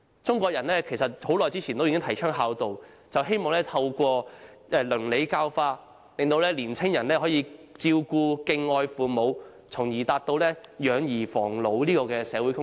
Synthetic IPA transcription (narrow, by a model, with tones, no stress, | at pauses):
t͡sʊ˥ŋkʷɔː˧k̚jɐ˨˩nlɛː˥kʰe˨˩jsɐ˨t̚ho˨˥wlɔː˨jt͡siː˥t͡sʰiː˨˩nt̪o˥wji˧˥ŋ˥ŋt̪ʰɐ˨˩jt͡ʃʰœː˥ŋɦaː˨˧wt̪o˨w | t͡sɐ˨wɦe˥jmɔː˨ŋlɛː˥t̪ʰɐ˧wkʷɔː˧ʔɛː˧lɵ˨˩ŋle˨˧jkaː˧wfaː˧ | le˨ŋt̪o˧wlɛː˥liː˨˩nt͡sʰɪ˥ŋjɐ˨˩nlɛː˥ɦɔː˨˥jiː˨˧t͡siː˧wkuː˧kɪ˧ŋɔː˧jfuː˨mo˨˧w | t͡sʰʊ˨˩ŋjiː˨˩t̪aː˧k̚t̪o˧wlɛː˥jœː˨˧ŋjiː˨˩fɔː˨˩ŋlo˨˧wliː˥kɔː˧kɛː˧sɛː˨˧wuː˨˥jkʊ˥ŋ